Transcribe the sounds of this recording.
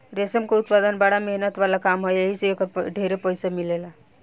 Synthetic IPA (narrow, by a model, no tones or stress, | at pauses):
ɾesəmkeut̪pad̪ənbaɽameɦnət̪balakamɦojeɦiseekəɾɖʱeɾepəjsamilela